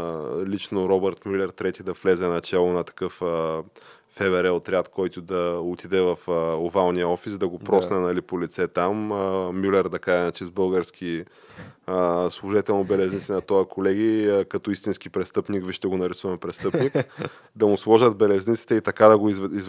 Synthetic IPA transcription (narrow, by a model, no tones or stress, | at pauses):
lit͡ʃnoɾɔbɛɾt̪mʲylʲɛɾt̪ɾɛt̪id̪ɐflɛzɛnɐt͡ʃɛlˠʊnɐt̪ɐ̥kɤfəː | ɛvɛɾɛot̪ɾʲat̪kʰɔjt̪ʊd̪ɐot̪id̪ɛvɐfovalˠniəɔfisd̪ɐɡopɾɔsnɛnɐlipolit̪sɛt̪ammʲylɛɾd̪ɐkaʒɛinat͡ʃɛzbɤlˠɡəɾsk̟ʰi | əslˠʊʒit̪ɛlˠnobɛlɛznit̪sʲɛnɐt̪ɔjɐkʰolɛɡikɐt̪ɔist̪insk̟ipɾɛst̪ɤpnikviʃt̪ɛɡonɐɾisuvɐmpɾɛst̪ɤpnik | d̪ɐmʊslˠɔʒəd̪bɛlɛznit̪si̥t̪ɛit̪ɐkad̪ɐɡoiziz